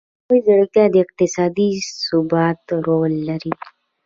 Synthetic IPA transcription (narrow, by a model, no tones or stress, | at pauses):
oizəɽkjad̪ik̚t̪isaːd̪iːsubat̪ɾoːlːəɾi